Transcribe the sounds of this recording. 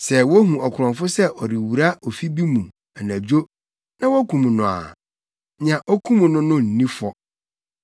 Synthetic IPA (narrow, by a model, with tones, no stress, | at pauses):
sɛ˨wɔ˦ɦũ˨ɔ˨kʰʊ˨ɾɔ̃˨nfʊ˦sɛ˦ʔɔ˨ɾi˨wu˨ɾa˦ʔɔ˨fi˦bi˦mũ˨ | ɛ˨næ̃˨d͡ʑᶣo˦ | nã˦wɔ˦kʰũ˨mũ˨nʊ̃˨a̰˨ | ɲã˨ʔɔ˦kʰũ˦mũ˨nʊ̃˦nʊ̃˦n̩˨nĩ˦fɔ˦